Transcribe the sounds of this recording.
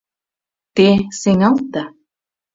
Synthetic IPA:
t̪esɪŋalt̪a

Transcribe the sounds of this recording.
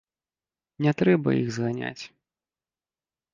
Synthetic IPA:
nʲɛt̪ɾɛbɐ̰jiɣzɣanʲa̰t͡sʲ

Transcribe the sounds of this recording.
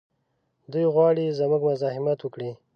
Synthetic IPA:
d̪ujɣwɑɽizəmuɡmʊzɑhɪmat̪wəkɽi

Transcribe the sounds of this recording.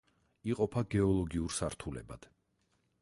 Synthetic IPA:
iqʼɔpʰaɡɛɔlˠɔɡiuɾsaɾt̪ʰulɛ̰ba̰d̪̥

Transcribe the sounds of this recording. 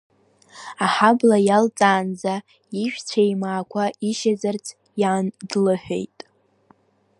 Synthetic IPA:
aħablajalt͡sʼaːnd͡za | iʃᶣt͡sʷʰajmaːkʷʰaiʃazart͡sʰ | jaːndlɨħᶣe̞̰jtʼ

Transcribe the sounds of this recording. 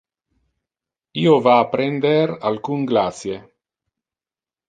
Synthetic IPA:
iːovaːpɾend̪eɾalkuŋɡlasje

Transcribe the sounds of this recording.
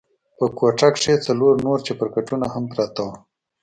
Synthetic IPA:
pəkoʈakʂet͡saloɾnoɾt͡ʃepəɾkaʈunahampɾat̪aw

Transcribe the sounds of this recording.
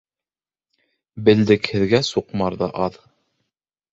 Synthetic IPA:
bɘ̆ld̪ɘkhɘ̆ðɡæsuqmɑɾðɑʔɑð

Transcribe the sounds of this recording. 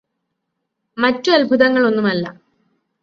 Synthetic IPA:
mɐtːuɐlbʱuðɐŋːɐɭo̞nːumɐlːɐ̰

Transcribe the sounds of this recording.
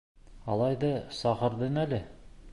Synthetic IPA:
ɑlˠɑjðɤsɑqɤ̆ɾðɤnælɘ

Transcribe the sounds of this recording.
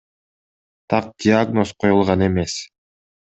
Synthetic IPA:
t̪ʰɑq̚d̪ʲɪaɡno̞sqʰo̞julˠʁɑne̞me̞s

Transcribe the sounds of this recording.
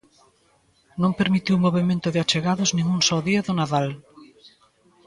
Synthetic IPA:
nõŋpeɾmit̪iwmoβ̞emẽnt̪ʊðɪat͡ʃeɣaðʊznĩŋuŋsɔðiaðʊnaðal

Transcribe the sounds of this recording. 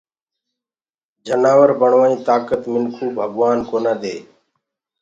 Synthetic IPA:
d͡ʒənaːʋəɾbəɳʋaːĩːt̪aːkət̪mɪnkʰuːbʱəɡʋaːnkoːnãːd̪eː

